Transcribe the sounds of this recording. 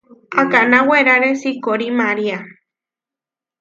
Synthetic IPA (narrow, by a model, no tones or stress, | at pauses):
akanaweɾaɾesikoɾimaɾia